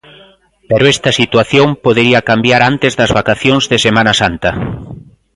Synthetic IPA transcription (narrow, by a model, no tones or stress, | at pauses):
peɾoɛst̪ɐsit̪waθjompoðeɾiɐkambjaɾant̪ezðɐzβakaθjoŋzðɪsemanasant̪ɐ